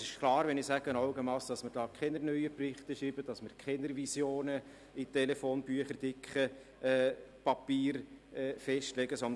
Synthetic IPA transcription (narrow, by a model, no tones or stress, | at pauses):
sɪʃkʰlɑːɾʋɛnɪsæɡ̥ənɑʊɡəmɑsd̥ɑsməɾd̥ɑːkʰɛnəɾnœʏəprɪχtəʃiːbəd̥ɑsməɾkʰχɛnəɾvisjoːnə | it̪ɛlɛfoːnbyəχəɾd̥ɪkχə | ɛːpɑpiːɾɛːfɛʃtlɛɡəsɔnd̪